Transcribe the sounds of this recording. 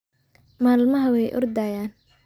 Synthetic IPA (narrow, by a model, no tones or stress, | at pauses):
maːlmɐɦɐwɛjʔɔ̰rd̪aːjaːn